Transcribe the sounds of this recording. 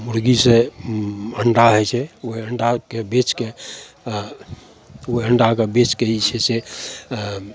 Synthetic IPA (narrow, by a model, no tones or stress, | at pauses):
muɾɡise | əɳɖaɦɛt͡ʃʰɛoəɳɖakebet͡ʃke | oəɳɖakebet͡ʃkeit͡ʃʰɛse